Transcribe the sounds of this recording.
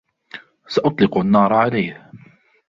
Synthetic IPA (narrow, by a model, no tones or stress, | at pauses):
saʔʊt̪ˤlɪqʊanːɑːɾˤʕalajh